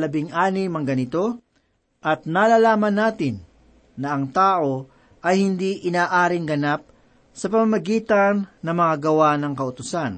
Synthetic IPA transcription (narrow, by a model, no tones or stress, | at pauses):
lɐbɪŋʔaːnɪmɐŋɡɐnɪt̪o̞ | ʔɐt̪̚naːlaːlaːmɐnːaːt̪ɪnː | ɐʔɐŋt̪aːʔo̞ | ʔɐjhɪnd̪iʔɪnaːʔaːɾɪŋɡɐnap̚ | sɐpɐmɐmɐɡiːt̪ɐnːɐŋmɐŋaɡɐwanɐŋkɐʔʊt̪ʊsan